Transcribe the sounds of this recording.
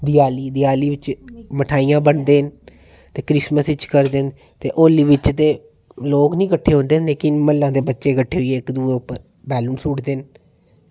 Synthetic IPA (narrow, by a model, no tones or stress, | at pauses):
d̪ɪjaːliːd̪ɪjaːliːʋɪt͡ʃməʈʰaːijãːbəɳd̪eːən | t̪eːkɾɪsməsɪt͡ʃkəɾd̪eːn | t̪eːʔoːlːiːʋɪt͡ʃt̪eː | loːknĩːkəʈʰːeːɦõːnd̪eːnleːkɪnməlːãːd̪eːbətːʃeːkəʈʰːeːɦoieːɪkd̪uːẽːʊpːəɾ | bɛːlunsuːʈd̪eːn